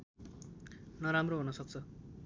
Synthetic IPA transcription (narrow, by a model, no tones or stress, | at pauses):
nʌɾamroɦunʌsʌk̚t͡sʰʌ